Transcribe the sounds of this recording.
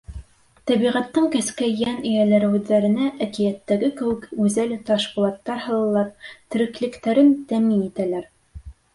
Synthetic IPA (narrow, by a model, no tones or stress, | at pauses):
t̪æβiʁæt̪ːɤŋkæskæjænɵ̆jælæɾɘ̆wðːæɾɘ̆næʔækijæt̪ːæɡɘkɘ̆wɘ̆kʉzælt̪ɑʃqŭlˠɑt̪ːɑɾhɤ̆lˠɤ̆lˠɑp̚t̪ɘ̆ɾɘ̆klɘ̆kt̪æɾɘnt̪æminit̪ælæɾ